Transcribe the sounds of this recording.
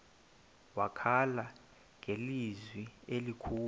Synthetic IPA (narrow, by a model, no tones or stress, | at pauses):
wakʰala | ŋʱelizwielikʰuː